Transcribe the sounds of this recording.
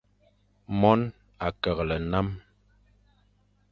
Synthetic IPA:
mɔ˦n | a˨kɛ˨ɣlɛ˨na˦m

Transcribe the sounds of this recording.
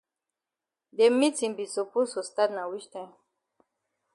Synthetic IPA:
d̪e˨mi˦t͡sĩ˨mbi˨su˨pu˦so˨st̪a˦d̪na˨wi˦ʃt̪a˦

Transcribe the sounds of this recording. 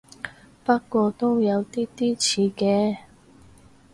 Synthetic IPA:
pa˥kːɔ˧˥t̪o˥ja˨˥wt̪i˥t̪i˥˨t͡ɕʰi˨˥kɛ˨˥˦

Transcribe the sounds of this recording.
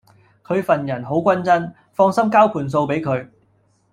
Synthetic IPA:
kʰɵ˨˧ɥfɐ˨njɐ˨˩nɦo˨˥wkʷɐ˥nt͡sɐ˥n | fɔː˧ŋsɐ˥mkaː˥wkʰuː˨˩ns̬o˧wpe˨˥jkʰɵ˨˧ɥ

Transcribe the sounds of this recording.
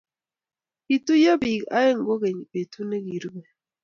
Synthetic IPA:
i˨tu˦jo˦bi˨a̰˦e˦ŋ˦ɡo˦ɣe˨ɲ˨be˨tʰu˦ne˦ɡi˨ɾbe˨

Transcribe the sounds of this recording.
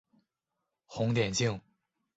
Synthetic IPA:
xʊ˧˥ŋt̪jɛ˨˩nt͡ɕi˥˩ŋ

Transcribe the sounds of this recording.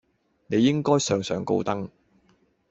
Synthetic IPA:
ne˨˧jɪ˥ŋkɔː˥jsœː˨˧ŋsœː˨˧ŋko̰˧wt̪ɐ˥ŋ

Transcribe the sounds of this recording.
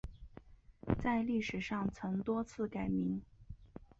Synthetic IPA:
t͡sa˥˧ɪli˥˩ʂɻ̩˨˩ʂɑ˥˩ŋt͡sʰɤ˧˥ŋt̪wɔ˥t͡sʰɹ̩˥˩ka˨˩ɪmi˧˥ŋ

